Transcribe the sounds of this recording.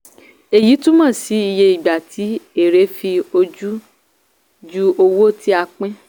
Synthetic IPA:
e˨ji˨˦tũ˦mã˦˨si˨˦i˧je˧i˨ɡ͡ba˨tʰi˨˦e˨ɾe˨˦fi˧o˧d͡ʒu˦ | d͡ʒu˦o˧wo˦˨tʰi˦a˧k͡pɛ̃˦

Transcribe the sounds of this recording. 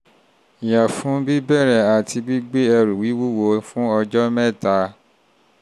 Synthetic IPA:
ja˨fũ˨˦bi˦bɛ˦˨ɾɛ˨a˨ti˧bi˦ɡ͡be˦ɛ˧ɾu˨wi˨˦wu˦˨wo˧˦fũ˦ɔ˧d͡ʒɔ˦mɛ̃˦˨ta˨˧˦

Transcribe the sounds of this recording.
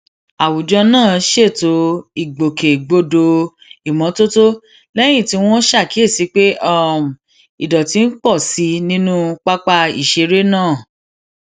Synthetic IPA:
a˨wu˨d͡ʒɔ˧nãː˦˨ʃe˦˨to˧˦i˨ɡ͡bo˨ke˨ɡ͡bo˧do˧ | i˨mɔ̃˨˦to˦to˦ | lɛ˦j̃ĩ˦˨ti˧w̃ɔ̃˦ʃa˦˨ki˨˦e˦˨si˨˦k͡pe˦ɔ˦˨m˨ | i˨dɔ˨ti˧˦n̩˦k͡pɔ˦˨si˧˦nĩ˦nũ˦k͡pa˦k͡pa˧ḭ˨ʃe˧ɾe˦nãː˦˨

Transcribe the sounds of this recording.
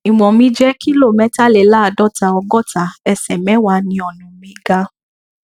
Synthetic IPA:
i˨m̃ɔ̃˨mĩ˧˦d͡ʒɛ˦ki˦lo˦˨mɛ̃˨˦ta˦le˨la˦˨dɔ˦ta˧ɔ˧ɡɔ˦˨ta˨ɛ˧sɛ˨mɛ̃˨˦wa˧˦nĩ˧ɔ˨nũ˨mĩ˧ɡa˧

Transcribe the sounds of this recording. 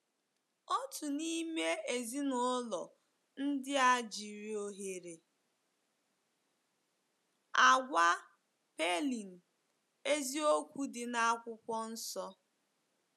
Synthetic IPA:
ɔ˦tʊ˨ni˦me˦e˨zi˦nʊ˦lɔ˨ | n̩˦dɪ˦a˨d͡ʒi˨ɾi˨˦o˦ɦe˨ɾe˨ | a˨ɡʷa˦ | pe˦li˨n̩˨ | e˦zi˦o˦kʷu˦dɪ˨na˦kʷʊ˦kʷɔ˦n̩˦sɔ˦

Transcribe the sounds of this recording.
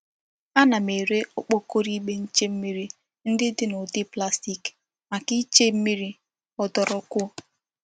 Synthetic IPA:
a˦na˨me˨ɾe˦o˦k͡po˦ko˦ɾi˦ɡ͡be˦n̩˦t͡ʃe˦m̩˦mi˦ɾi˦ | n̩˦dɪ˦dɪ˦nʊ˨dɪ˦pla˦sti˨k | ma˨ki˦t͡ʃe˦m̩˦mi˦ɾi˦ | ɔ˨dɔ˨ɾɔ˨kʊ˦

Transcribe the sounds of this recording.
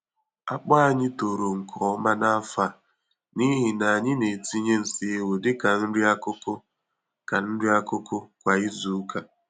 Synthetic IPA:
a˦k͡pa˦a˨ɲɪ˦to˨ɾo˨ŋ̩˨kʰɔ˨ɔ˦ma˦na˦a˦fa˦˨ | ni˦ɦɪ˨na˨a˨ɲɪ˦ne˨ti˦ɲe˦n̩˨si˨e˨we˨dɪ˦ka˨n̩˦ɾi˦a˦kʊ˦ko˦ | ka˨n̩˦dɪ˦a˦kʊ˦ko˦kʷa˨i˦zu˨˦ka˦

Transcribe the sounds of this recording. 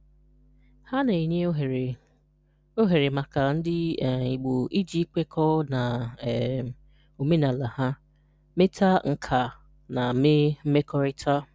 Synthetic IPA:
ha˦ne˨e˨ɲe˦ɦɾ | o˦ɦe˨ɾe˨ma˨ka˨n̩˦dɪ˦˨i˨ɡ͡bo˨i˦d͡ʒi˦k͡pe˦kʰɔ˦na˨ | o˨me˦na˨la˨ha˦ | me˦ta˦ŋ̩˨kʰa˨ | na˨˦me˦m̩˦me˦kɔ˦ɾɪ˦tʰa˦

